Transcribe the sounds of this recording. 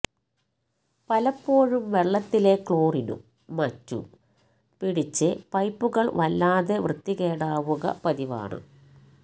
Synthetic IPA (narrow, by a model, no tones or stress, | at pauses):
pɐlɐpːo̞ːɻumʋe̞ɭːɐt̪ːile̞kɭo̞ːrinṵ | mɐtːṵ | piɽit͡ɕːɨpɐjpːuɣɐɭʋɐlːaːðeʋrɨt̪ːiɣe̞ːɽaːʋuɣɐ̰pɐðiʋa̰ːɳɨ̰